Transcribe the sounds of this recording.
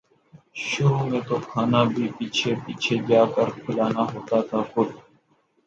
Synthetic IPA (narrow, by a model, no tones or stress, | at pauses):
ʃʊɾumẽːt̪oːkʰaːnaːbʱiːpiːt͡ʃʰeːpiːt͡ʃʰeːɡjaːkəɾkʰʊlaːnaːɦoːt̪aːt̪ʰaːkʊd̪